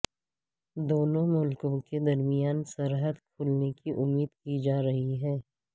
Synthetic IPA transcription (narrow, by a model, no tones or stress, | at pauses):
d̪oːnõmʊlkõked̪ɐɾmijaːnsɐɾɦəd̪kʰuːlnekiʔʊmːiːd̪kid͡ʒaːɾɐɦiɦɛː